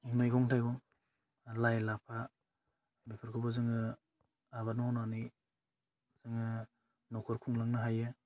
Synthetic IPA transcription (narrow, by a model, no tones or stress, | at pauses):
iŋnɯjɡɔŋtʰajɡɔŋ | lajlapʰa | bikʰɯɾkʰɯbɯzɯŋɯ | aβanɔɔnani | z̥ɯŋɯ | nɔkʰɔɾkʰuŋlaŋnɯɦajɯ